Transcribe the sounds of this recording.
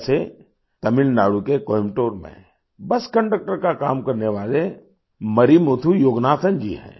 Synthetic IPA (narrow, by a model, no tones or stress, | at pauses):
se | t̪ɐmɪlnaːɽukekoːɪmʈoːɾmḛ̃ | bɐskɐ̃ɳɖək̚ʈəɾkakaːmkɐɾneʋaːle | mɐɾimoːt̪ʰujoːɡnaːt̪ʰənd͡ʒḭɦɛ̰̃ː